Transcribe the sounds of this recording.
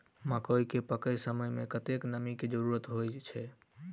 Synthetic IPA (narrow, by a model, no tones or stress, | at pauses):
mãkojkepəkəjsəməjmẽkət̪eknəmiked͡ʒəɾuɾət̪ɦojt͡ʃʰɛ